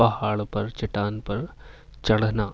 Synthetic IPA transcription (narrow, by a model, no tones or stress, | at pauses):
ɐɦaːɭpɐɾt͡ʃiʈːaːnpɐɾ | t͡ʃɐɽɐnaː